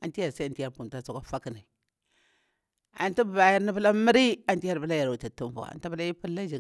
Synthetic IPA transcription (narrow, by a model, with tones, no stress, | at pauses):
a˨nti˦ja˨ɾsa˦a˨ti˦ja˦ɾpu˨nta˦su˨ka˦fa˦ki˨na˨ | a̰˨nti˦bə˨ba˨ja˦ɾni˦bə˦la˦mi˦ɾi˦a˨nti˦ja˦ɾbə˦la˦ja˨ɾu˨ta˨tu˦mvṵ˨a̰˨n˦ti˦bə˦la˦ji˦pu˦lːa˦d͡ʒi˨ɡ